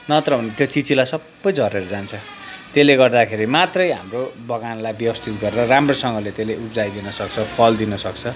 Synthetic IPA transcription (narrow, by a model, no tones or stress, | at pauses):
nʌt̪ɾʌbʱʌnet̪jot͡sit͡silajsʌbːʌjd͡zʱʌɾeɾʌd͡zant͡sʰʌ | t̪eleɡʌrd̪akʰeɾimat̪rʌjɦamrobʌɡanlajbjʌbʌst̪ʰit̪ɡʌɾeɾʌramrosʌŋɡʌlet̪eleupd͡zajd̪inʌsʌkt͡sʰʌpʰʌld̪inʌsʌkt͡sʰʌ